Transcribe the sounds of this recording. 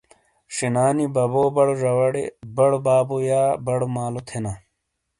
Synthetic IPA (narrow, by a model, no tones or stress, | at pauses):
ʂinaːnibɐboːbɐɽoʐɐwɐɽḛbɐɽobaːbojaːbɐɽomaːlot̪ʰena